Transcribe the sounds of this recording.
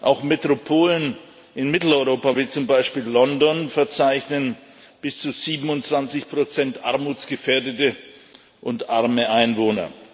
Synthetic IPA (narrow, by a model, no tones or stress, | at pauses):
ʔa̰ʊxmetʁ̥opʰoːlən | ʔɪnmɪtl̩ɔʏʁoːpaviːt͡sʊmbaɪʃpiːlːɔndɔnfɛɐt͡saɪçnən | b̥ɪst͡suziːbm̩ʊntt͡sv̥ant͡sɪçpʁ̥ot͡sɛntʔaɐmuːt͡sɡ̥əfeːɐdətə | ʔʊntʔaɐməʔaɪnvoːnɐ̰